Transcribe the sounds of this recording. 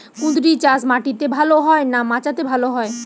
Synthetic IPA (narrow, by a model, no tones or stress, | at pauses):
kũd̪ɾit͡ɕasmaʈit̪ebʱaloɦɔenamãt͡ɕat̪ebʱaloɦɔe